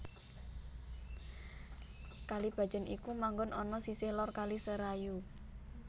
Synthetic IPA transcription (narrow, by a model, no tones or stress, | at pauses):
kalib̥a̤̥d͡ʒ̥ə̤nikumaŋɡʊnʔɔnɔsisɪhlɔrkalisəɾaju